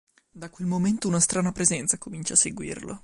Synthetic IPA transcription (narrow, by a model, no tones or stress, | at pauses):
d̪akwelmoment̪ounast̪ɾaːnapɾezɛnt̪sakomint͡ʃaːsːeɡwḭːrlo̰